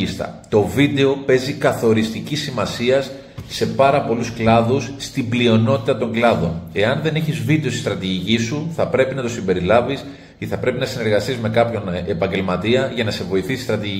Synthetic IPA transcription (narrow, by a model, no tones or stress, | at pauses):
ist̪ɐ̰t̪o̞vid̪e̞o̞pe̞zikɐθo̞ɾist̪icisimɐsiɐsː | e̞pɐɾɐpo̞lusklɐðusːt̪iblio̞no̞t̪it̪ɐt̪o̞ŋɡlɐðo̞̰ne̞ɐnðe̞ne̞çizvid̪e̞st̪ist̪ɾɐt̪iʝicisuθɐpɾe̞pinɐt̪o̞simbe̞ɾilɐvis | iθɐpɾe̞pinɐsine̞ɾɣɐst̪izme̞kɐpço̞nepɐɲɟe̞lmɐt̪iɐʝɐnɐse̞vo̞iθisi̥st̪ɾɐt̪iʝi